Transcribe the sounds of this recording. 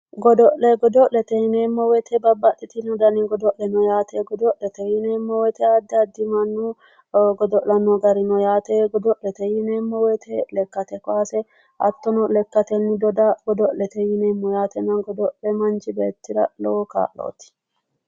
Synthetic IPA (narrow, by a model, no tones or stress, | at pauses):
ɡɔd̪ɔʔlɛɡɔd̪ɔʔlɛt̪ɛhɪneːmːɔwɛt̪ʰɛbɐbːɐɗɪt̪ɪnɔd̪ɐnɪɡɔd̪ɔʔlɛnɔjaːt̪ɛɡɔd̪ɔʔlɛt̪ɛhɪneːmːɔwɛt̪ɛɐd̪ːɐd̪ːɪmɐnːu | ɡɔd̪ɔʔlɐnɔɡɐɾɪnɔjaːt̪eɡɔd̪ɔʔlɛt̪ɛjɪnemːɔwɛt̪ʰɛlɛkːɐt̪ɛkɔaːsɛ | ʔɐt̪ːɔnɔlɛkːɐt̪ɛnːɪd̪ɔd̪ɐɡ̥ɔd̪ɔʔlɛt̪ɛjɪneːmːɔjaːt̪ɛnɐnɡɔd̪ɔʔlɛmɐnt͡ʃɪbeːt̪ːɪɾɐloka̰ːʔlo̰ːt̪ɪ̥